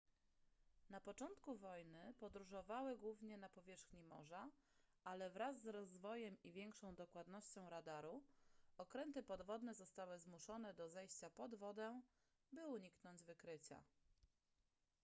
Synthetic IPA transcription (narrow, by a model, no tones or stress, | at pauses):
napɔt͡ʂɔnt̪kuvɔjnɘpɔd̪ɾuʐɔvawɘɡwuvɲɛnapɔvʲjɛʂxɲimɔ̰ʐa | alɛvɾazːɾɔzvɔjɛmivʲjɛŋkʂɔ̃w̃d̪ɔkwad̪nɔɕt͡ɕɔ̃w̃ɾad̪aɾuɔkɾɛnt̪ɘpɔd̪vɔd̪nɛzɔst̪awɘzmuʂɔnɛd̪ɔzɛjɕt͡ɕapɔd̪vɔd̪ɛ | bɘuɲiknɔɲd͡ʑvɘkɾɘt͡ɕa̰